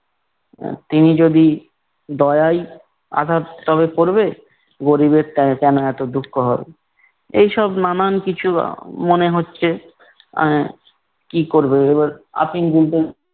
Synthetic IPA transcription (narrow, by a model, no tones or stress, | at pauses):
t̪inid͡ʑod̪i | d̪ɔeaj | a̰d̪ʱat̪t̪ɔβepoɾbe | ɡoɾibeɾtɛkɛnoɛt̪od̪ʱukʰːoɦɔbe | ejʃɔbnanankit͡ɕʰṵmoneɦotːɕʰḛ | kikoɾbeebaɾa̰piŋɡult̪e